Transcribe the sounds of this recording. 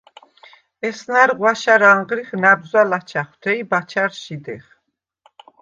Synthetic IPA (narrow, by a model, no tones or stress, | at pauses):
ɛsnaɾʁwaʃaɾaɴʁɾiχnabzalat͡ʃʰaχwt̪ʰɛibat͡ʃʰaɾʃid̪ɛ̰χ